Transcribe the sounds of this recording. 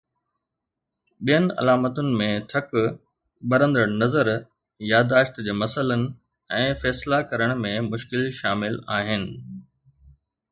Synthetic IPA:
ɓijənɪ̆ɐ̰laːmət̪ʊnɪ̆mẽt̪ʰɐk | bɐɾə̃nd̪əɽ̃nɐzəɾ | jaːd̪aːʃt̪d͡ʑeːmɐsələnɪ̆ | ɛ̃ːfɛːslakɐɾəɽ̃mẽmʊʃkɪlʃaːmɪlaːɦɪnɪ̆

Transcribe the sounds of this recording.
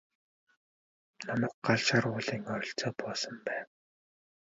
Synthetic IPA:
namə̆ːk̚ɢaɮʃaruːɮiːŋɔɾʲɪ̆ɬt͡sɔːpɔːsə̆mpæːw

